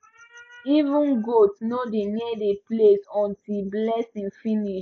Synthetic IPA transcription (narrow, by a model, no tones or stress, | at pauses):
ivũnɡotnodenɛdeplesɔ̃ntilblɛsĩŋfĩniʃ